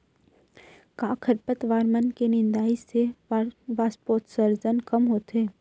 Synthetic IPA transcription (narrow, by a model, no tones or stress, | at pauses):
kaːkʰəɾpət̪ʋaːɾmənkenɪnd̪aːise | ʋaːspoːt̪səɾzənkɐmɦoːt̪ɦeː